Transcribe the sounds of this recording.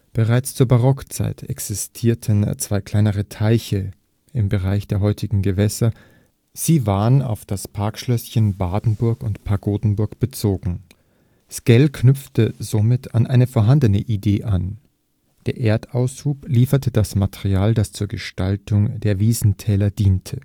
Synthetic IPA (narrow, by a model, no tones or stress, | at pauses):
b̥əʁaɪt͡st͡suːɐbaʁɔkt͡sa̰ɪtʰɛ̰ksɪstʰiːɐtʰənt͡sv̥aɪkʰl̥aɪnəʁ̞ətʰaɪçə | ɪmbəʁaɪçd̥eːɐɦɔʏtʰɪɡŋ̩ɡəvɛsɐ | z̥iːvaːʁəna̰ʊfd̥aspʰaɐkʃlœsçənbaːdn̩bʊɐkʊntpʰaɐɡoːdn̩bʊɐkb̥ət͡soːɡŋ̩ | skɛlkʰnʏp͡ftəzomɪtʰanʔaɪnəfoɐɦandənəʔideːʔan | d̥eːɐʔeːɐtaʊsʃuːpliːfɐtəd̥asmatʰɛʁiaːldast͡suːɐɡəʃtaltʊŋdeːɐviːzn̩tʰɛːlɐdiːntʰə